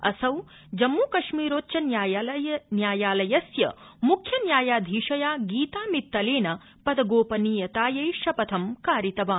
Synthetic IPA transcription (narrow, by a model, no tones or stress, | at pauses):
ɐ̰sɐw | d͡ʒɐmːuːkɐʃmiːɾoːtːt͡ʃɐnjaːjnjaːjaːlɐjɐsjɐ̰mukʰjɐnjaːjaːd̪ʱiːʂɐjaːɡiːt̪aːmit̪ːɐleːnɐ | pɐd̪ɐɡoːpɐniːjɐt̪aːjɐjʂɐpɐt̪ʰɐmkaːɾit̪ɐʋaːn